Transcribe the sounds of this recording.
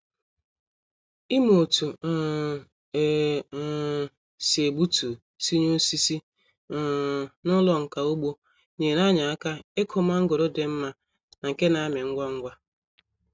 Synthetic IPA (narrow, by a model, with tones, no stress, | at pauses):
i˦mo˨tu˨˦˨ | se˨ɡ͡bu˦tu˨ | si˦ɲo˦si˦si˦˨ | nʊ˦lɔ˦ŋ̩˨ka˨o˦ɡ͡bo˦ | ɲe˨na˦ɲa˨a˦ka˦e˦kʰʊ˨ma˦ŋ̩˦ɡo˨ɾo˦de˨m̩˦ma˦ | na˨ŋ̩˨ke˦na˨a˦me˨ŋ̩˦ɡʷa˦ŋ̩˦ɡʷa˦